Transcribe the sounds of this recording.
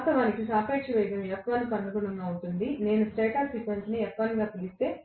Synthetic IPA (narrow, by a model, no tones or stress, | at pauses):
st̪ɐʋaːnikisaːpeːkʂɐʋɛjɐd̪ɐmɛkʋɐːnipɐɳɖɐkuɽɐŋɡaːunt̪und̪ine̞ːnusʈeːʈaːpsikʋensniɛkʋɐːniɡaːt̪ilist̪e̞ː